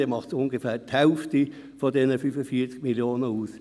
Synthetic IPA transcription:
eːmɑχtsʊnɡefæːthɛlfti | fɔdɛnəfyfəfiːɐt͡skmiljoːnəuːs

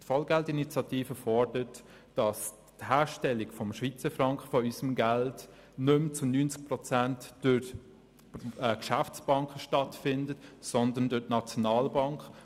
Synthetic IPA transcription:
tfɑlɡɛltinit͡sjɑtiːfəfɔɹd̥əɾət | d̥ɑs | thæːɾʃtɛlːiɡfɔmʃʋit͡səfɾɑŋkχəfɔysəmɡælt | nʏmt͡sʊnynt͡sk̚prɔt͡sæntd̥ʊ | ɛkʃæft͡sb̥ɑŋkχəʃtɑtfɪndətsɔndəndʊtnɑt͡sjɔnɑːlbɑŋkχ

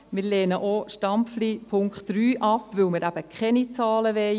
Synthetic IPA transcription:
mɪɾleːnəʔoʃtɑmflipʰʊŋkχtɾyːʔɑpʋɵwmɪɾæb̥əkχɛnit͡sɑːləʋɛɪ

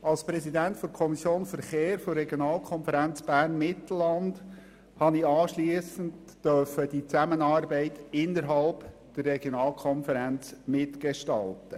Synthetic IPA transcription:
ɑlspɾɛsidæntfɔɾkʰɔmisjoːnfəɾχeːɾfɔɾrɛɡjɔnɑːlˠkʰɔnfəɾænt͡sb̥æːrnmɪtl̩ɑnd | hɑniɑːʃliəsəntːœɾfəd̥it͡sæmənɑːrbɛɪtɪnəɾɦɑlp | d̥ərːɛɡjɔnɑːlkʰɔnfəɾænt͡smɪtɡeʃtɑ̰ltə

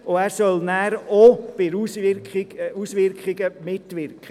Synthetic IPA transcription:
oæːɾsœlnæːɾob̥ɪɾusɪɪusʋɪɾkχɪɡəmɪtʋɪɾkχə

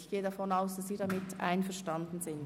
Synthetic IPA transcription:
çɡ̥eːədafɔnaʊsd̥asz̥iːɾamɪtʔa̰ɪnfɛɐʃtandn̩zɪnt

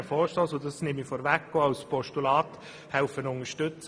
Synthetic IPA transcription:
fɔːʃtoːsodɑsnɪmifɔɾʋækːɡoːaʊspʰɔʃtulɑːt | hæʊfənʊŋəʃtʏt͡s

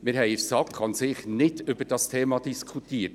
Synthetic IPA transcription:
mɪɾɦɛɪɪfsɑkʰɑnsɪχnɪdʏb̥əd̥ɑstʰeːmɑd̥iskʰut̪iːəɾt̚

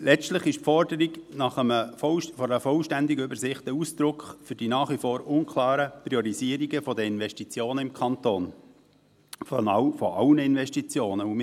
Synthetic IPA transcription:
lɛt͡stləχɪʃpfɔɾdəɾiɡnɑχəməfɔfɔɾəfɔlʃtænd̪ɪɡʏbəɾsɪχt̪əusd̪̥ɾʊkχfyɾd̥inɑːχʋifoːɾʊnkʰlɑːɾəpɾiɔɾiziəɾiɡəfɔd̪əɪnʋɛʃtit͡sjoːnəɪmkʰɑnt̪oːn | fonɑwfɔʔɑwnəɪnvɛʃtit͡sjoːnəum

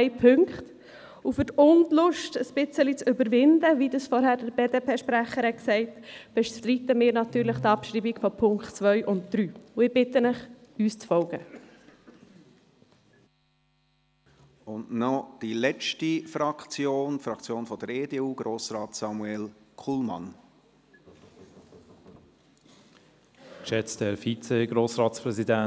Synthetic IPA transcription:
ɪpʰʏŋkχt | ufʏtʊntlʊʃtəspɪt͡səlit͡sʏbəɾʋɪndəʋidəsfɔɾɦæːɾdəɾb̥eːdeːpʰeːʃpɾæχəɾhɛtksɛɪtb̥ɛʃtɾiːtəmɪːɾnɑtyːɾləχt̪ɑpʃɾiːbiɡ̥fɔpʰʊŋkχtt͡sʋœʏʔʊntd̪̥ɾyːʊɪb̥ɪtənəχ | yːst͡sfɔlɡ̥ə̰ | ʊndnɔd̥ilɛt͡ʃtifɾɑkt͡sjoːntfɾɑkt͡sjoːnfɔd̥əɾeːdeuːɡ̥ɾoːsɾɑːtsɑmuɛlkʰulmɑ̰n | ʃɛt͡stɛɾfit͡seɡ̥ɾoːsɾɑːtspɾɛzidæ

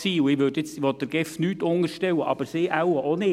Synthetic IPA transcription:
siːʊɪʋøːtjɪt͡sɪʋɔt̚d̥əɾɡ̥ɪfnyːtʊŋəɾʃtɛwəʔɑb̥əɾsɪːʔawəʔonɪ

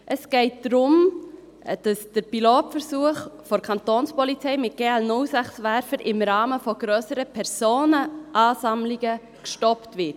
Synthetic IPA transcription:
ʔəsɡ̥ɛɪt̚d̥ɾʊm | d̥ɑsd̥əɾpiloːtfəɾsuəχfɔɾkʰɑntoːnspɔlit͡sɛɪmɪt̚ɡ̥eːɛlnʊlsæχsʋæɾfəɾʔɪmɾɑːməfɔɡ̥ɾøːsəɾəpʰɛɾsoːnəʔɑːsɑmlɪɡə | kʃtɔptʋɪt

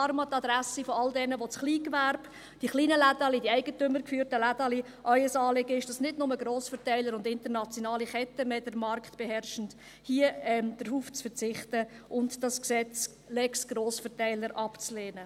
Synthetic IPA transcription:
ɾmɑtɑd̪ɾæsifɔɑldɛnəʋot͡sχliːkʋæɾb̥ | d̥iχliːnəlædɑlidiɛɪɡətʏməɾkfyːɾtəladɑli | ʔœʏəsɑːlɪɡəɪʃd̥ɑsnɪdnʊməɡɾoːsfəɾtæɪləɾʊndɪntəɾnɑt͡sjonɑːliχɛtːəmɛdəɾmɑrktb̥ɛɦɛrʃən̩t | hiəɛmd̥əɾhuːft͡sfəɾt͡sɪχtə | ʔʊntd̥ɑsksɛt͡s | lɛksɡ̥ɾoːsfəɾtæɪləɾʔɑpt͡sleːnə

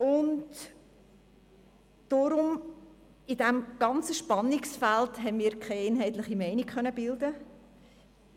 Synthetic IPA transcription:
ʊnt | d̥ɔɾʊm | ɪd̥ɛmɡ̥ɑnt͡səʃpɑnɪksfæltɦɛnmiːɾkʰɛɪɛɪnɦɛɪtlɪχimɛɪnikχœnəbɪldə

